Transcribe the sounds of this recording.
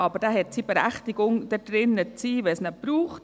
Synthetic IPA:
ɑbəɾd̥aɦɛtsiːb̥eɾæ̰χtiɡ̥ʊŋd̥əd̥ɾɪnːət͡siːʋɛsnɛb̥ɾuːχt

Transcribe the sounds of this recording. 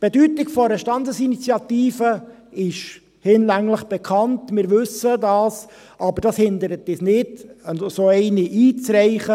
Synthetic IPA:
b̥edytɪɡfɔɾəʃtɑnd̪əsinit͡sjɑt̪iːfə | ɪʃ | hɪnlæŋləχb̥ɛkʰɑntmɪːɾʋɵsədɑːs | ʔɑbəɾd̥ɑshɪnd̪əɾət̪ɪsnɪdəsoɛɪniʔiːt͡sɾɛɪχə

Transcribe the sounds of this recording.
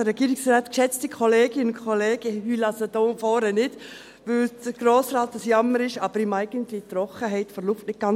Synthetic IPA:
əɾɛɡ̥iːɾɪksraːtkʃɛt͡stikʰɔleːɡɪnʊnkʰχɔleːɡ̥əhylɑsəd̥oːfɔːɾənɪd | ʋɪld̥əɡ̥ɾoːsrɑːtːəsjɑməɾɪʃɑb̥əɾɪmæɪɡ̥əntlit̪ɾɔχəɦɛɪtfɔɾlʊftnɪt̚ɡ̥ɑn

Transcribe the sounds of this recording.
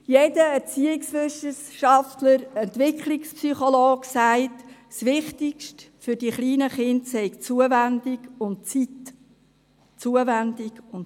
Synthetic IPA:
jedəɛɾt͡siːɪksʋʏsəʃɑftləɾɛnt̪ʋɪkχlɪkspsyχoloːɡsæɪtsʋɪχtɪkʃt | fʏɾdiχliːnəχɪntsɛɪkt͡suəvændɪɡʊntt͡sit | t͡suəvændɪɡʊn

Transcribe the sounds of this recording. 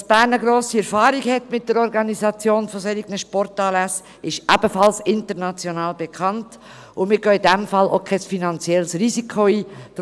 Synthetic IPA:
sb̥æːɾnəɡɾoːsiɛɾfɑːɾiɡhɛtmɪt̚d̥əɾɔɾɡɑnizɑt͡sjoːnfosɛɾɪɡnəʃpɔɾtɑːlæs | ɪʃʔæb̥əfɑlsɪntəɾnɑt͡sjonɑːlbekʰɑnt | ʊmɪːɾɡøːidɛmfɑlokʰɛsfinɑnt͡sjɛlsɾizikʰoiːd̥

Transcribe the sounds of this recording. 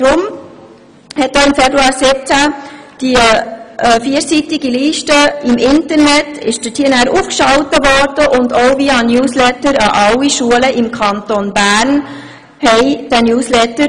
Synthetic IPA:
tɾʊm | hɛt̚d̥oːɪmfɛbɾuɑːɾsɪp̚t͡sæd̥iʔɛfiəɾsitɪɡiliːʃtəɪmʔɪntəɾnɛtɪʃd̥ətʰiːənæɾufkʃɑwtəvɔrd̥əʔʊndoʊviɑnjuːslɛtəɾɑʔɑwiʃuələʔɪmkʰɑnt̪onbæːɾn | hɛɪd̥ænjuːslɛtə

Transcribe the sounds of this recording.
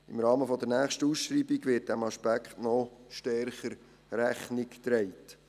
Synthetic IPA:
ɪmɾɑːməfɔd̪əɾnæːχʃtəusʃɾiːbiɡʋɪːt̚d̥ɛmɑʃpækχtnɔʃtɛɾχəɾ | ɾæχnɪkt̪ɾɛɪt

